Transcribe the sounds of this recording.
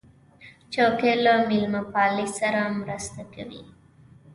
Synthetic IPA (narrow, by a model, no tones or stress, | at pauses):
t͡ʃokelamɪlmapɑlisaɾamɾəst̪akawḭ